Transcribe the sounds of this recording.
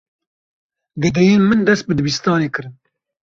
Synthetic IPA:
ɡɛd̪ɛjeːnmɨnd̪ɛst̪̚bɨd̪ɨbist̪ɑːneːkʰɨɾɨn

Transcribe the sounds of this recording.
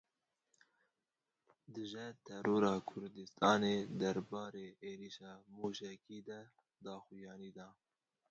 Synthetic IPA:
d̪ɨʒɛt̪ʰɛɾoːɾɑːkʰʊɾd̪ɨst̪ɑːneːd̪ɛɾbɑːɾeːʔeːɾiːʃɑːmuʃɛkiːd̪ɛ | d̪ɑːxujɑːniːd̪ɑː

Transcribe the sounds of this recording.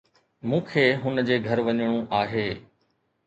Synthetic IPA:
mũːkʰeːɦʊnd͡ʑeːɡʱɐɾʋɐɲɽ̃ũʔaːɦeː

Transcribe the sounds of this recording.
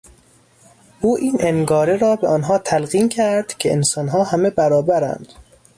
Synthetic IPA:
ʔuːʔiːnenɡɒːɾeɾɒːbeʔɒːnɦɒːt̪ʰælɣiːmcʰæɾd̪̥cʰeensɒːnɦɒːhæme̞bæɾɒːbæɾæ̰nd̪̥

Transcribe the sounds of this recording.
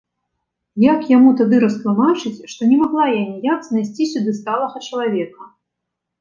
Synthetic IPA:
jakjamut̪ad̪ɨɾɐst̪lˠumat͡ʂɨt͡sʲʂt̪ɔnʲɛmaɣlˠajanʲijakznajsʲt͡sʲisʲud̪ɨst̪alˠɐɣɐt͡ʂɐlˠavʲɛkɐ

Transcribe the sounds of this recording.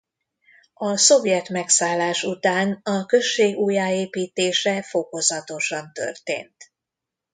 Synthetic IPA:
ɒso̞vjɛt̪mɛksaːlːaːʃut̪aːnɒkø̞ʃːeːɡuːjaːeːpiːt̪eːʃɛfo̞ko̞zɒt̪o̞ʃɒnt̪ø̰rt̪ḛːnt̪

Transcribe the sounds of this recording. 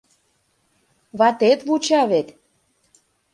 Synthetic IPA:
βɑt̪et̪βut͡ɕɑβet̪

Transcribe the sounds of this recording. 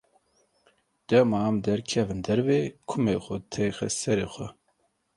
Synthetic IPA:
d̪̥ɛmɑːmd̪ɛɾkʰɛvɨnd̪ɛɾveːkʰʊmexʷɛt̪ʰɛjxɛ̰sɛɾeːxʷɛ

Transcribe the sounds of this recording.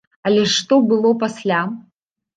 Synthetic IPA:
alʲeʂːt̪obɨlˠopaslʲa

